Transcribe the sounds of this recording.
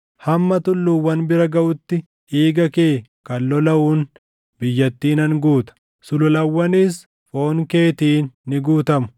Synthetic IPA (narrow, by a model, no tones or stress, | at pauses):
hɐmːɐt̪ʊlːuːwːɐnbɪɾɐɡɐʔʊt̪ːɪ | iːɡɐke̞ːkɐlːɔlɐʔuːn | bɪjːɐt̪ːiːnɐŋɡuːt̪ɐ̥ | sʊlʊlɐwːɐniːs | fo̞ːŋkeːt̪iːnːɪɡuːt̪ɐmʊ̥